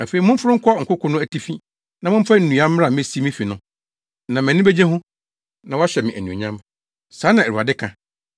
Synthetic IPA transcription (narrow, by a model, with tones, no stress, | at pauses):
a˨fe˨i˨mʊ̃˦m̩˦fʊ˦ɾʊ˦ŋ̩˦kʰɔ˦ŋ̩˨kʰʊ˦kʰʊ̃˦nʊ̃˦æ˨ti˦fĩ˦ | nã˨mʊ̃˦m̩˦fa˦n̩˨nũ˨˦a˦m˦m˦ɾa˨mẽ˦si˦mĩ˦fi˨nʊ̃˦ | nã˨mɛ̃˨nɪ̃˦be˦d͡ʑe˦ɦʊ̃˦ | nã˨wa˦ɕᶣɛ˨mɪ̃˨ʔæ̰˨nũ˨ɲã˦m | saː˨˦nã˨æ˨ɾu˨a̰˨dɪ˦kʰã˨